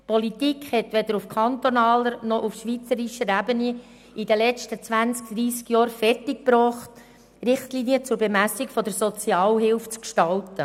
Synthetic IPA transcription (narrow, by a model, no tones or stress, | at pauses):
pɔlit̪ikχhɛt̪ʋɛd̥̪əɾufkʰɑnt̪onɑːləɾnɔʔufʃʋit͡səɾiʃəɾæbəni | idəlɛt͡stət͡sʋænt͡sk̚d̪̥ɾiːskjɑːɾfɛrtɪk̚pɾɔːχt̪ | ɾɪχtliːniət͡sʊɾbɛmæsikfɔd̪əɾsɔt͡siɑːlɦɪlft͡skʃtɑltə